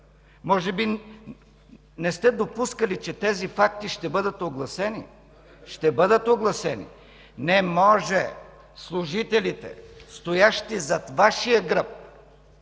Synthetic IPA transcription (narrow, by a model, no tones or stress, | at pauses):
mɔʒɛbi | nɛst̪ɛd̪opuskəlit͡ʃɛt̪ɛzifak̚t̪iʃt̪ɛbɤd̪ət̪oɡlˠɐsɛnḭ | ʃt̪ɛbɤd̪ət̪oɡlˠɐsɛnḭ | nɛmɔʒɛ | slˠuʒit̪ɛlit̪ɛ̰st̪ojaʃt̪izɐt̪vaʃijəɡɾəp̚